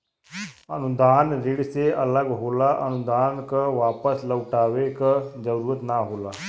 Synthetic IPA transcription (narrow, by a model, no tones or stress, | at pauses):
ənʊd̪aːnɾɪɽseɐləɡɦoːlaʔɐnʊd̪aːnkaʋaːpəsləʊʈaːʋekad͡ʒəɾuːɾət̪naɦoːlaː